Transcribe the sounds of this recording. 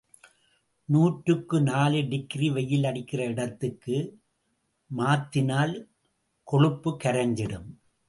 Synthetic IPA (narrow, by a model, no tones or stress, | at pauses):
nuːʈɾɯkːɯnaːlɯɖɪkɾiʋɐjːɪlɐɽɪkːɪrɐɪɽɐt̪ːɯkːɯ | maːt̪ːɪnaːl | kɔɻɯpːɯkːɐɾɐɲd͡ʒɪɽɯm